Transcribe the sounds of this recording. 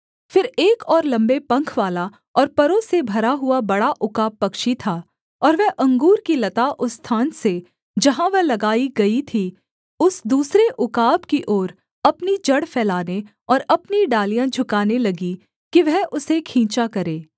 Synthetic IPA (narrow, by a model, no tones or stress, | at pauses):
fɪɾeːkɔːɾlɐ̃mbepɐ̃ŋkʰʋaːla | ɔːɾpɐɾõsebʱɐɾaɦʊabɐɽaʔʊkaːbːɐkʃit̪ʰaː | ɔːɾʋɛɦʔɐ̃ŋɡuːɾkilɐt̪aʔʊst̪ʰaːnse | d͡ʒɐɦãʋɛɦlɐɡaːiɡɐit̪ʰiː | ʊsd̪uːsɾeʔʊkaːbkiʔoːɾ | ɐpnid͡ʒɐɽfʰɛːlaːne | ɔːɾɐpniɖaːlijãd͡ʒʱʊkaːnelɐɡi | kiʋɛɦʔʊsekʰĩːt͡ʃakɐɾeː